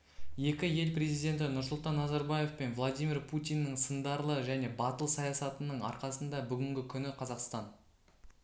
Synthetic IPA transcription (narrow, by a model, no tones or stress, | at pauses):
je̞kʲɪje̞lpɾʲe̞zijd̪ʲe̞nt̪ɪnʊɾs̬ʊlˠt̪ɑnːɑzɑɾbaje̞fpe̞nvlˠad̪ʲijmʲirpʰut̪ʲijnːɪɴsənd̪ɑɾlˠəʒæne̞bɑt̪əlˠsɑjɑsɑt̪ənəɴɑ̰ɾqɑsənd̪ɑbʏɡʲɪŋɡʲɪkʲʰʏnɪqʰɑzɑqst̪ɑn